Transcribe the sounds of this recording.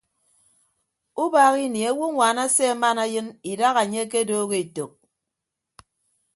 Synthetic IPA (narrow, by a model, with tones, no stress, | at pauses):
u˦ba˨ɣi˦ni˨a˨˦wu˦ŋʷaː˨na˦se˦a˦ma˦na˦jɨ˦ni˨da˦ɣa˨ɲe˦k̬e˦doː˦ɣe˦˨e˨to˨k̚